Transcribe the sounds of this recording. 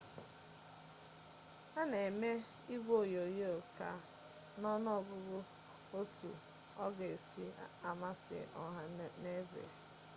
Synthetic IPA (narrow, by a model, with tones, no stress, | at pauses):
a˦ne˨me˦ | i˦bo˦˨jo˨je˦o˨ka̰˦ | nɔ˦nɔ˦˨ɡʊ˦ɡʊ˦ | o˦tṵ˨ | ɔ̰˦ɡe˨sḭ˦a˨ma˦sɪ̰˨ʔɔ˦ɦa˨ne˦zḛ˨